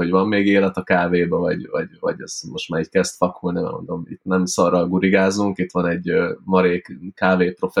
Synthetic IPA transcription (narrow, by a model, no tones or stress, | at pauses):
oɟʋɒmːeːɡeːlɛt̪ɒkaːveːbɛvɒ̰ɟvɒ̰ɟvɒ̰ɟɛ̰zmo̞ʃt̪maːɾɛckɛst̪fɒkulnimɛ̰mo̰nd̪o̞mḭt̪nɛmsɒɾɒlɡuɾiɡaːzuŋkit̪ʋɒnɛɟmɒɾeːkkaːveːpro̞fɛ